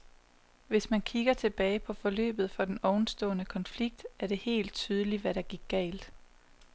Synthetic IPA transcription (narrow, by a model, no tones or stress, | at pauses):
ʋe̝smænkʰiɡ̥ɐt͡sʰe̝b̥ɛːɪpʰɒ̽fɒ̽lø̰ːb̥ð̞̩ˠfɒ̽d̥enɒʊn̩sd̥ɔ̰̽ːnəkʰɒ̽nfliɡ̥̚d̥æɐɾ̥e̝he̝̰ːld̥̚t͡sʰyːð̞ˠəliʋæɾɑ̈ɡ̥iɐɡ̥ɛ̰ːld̥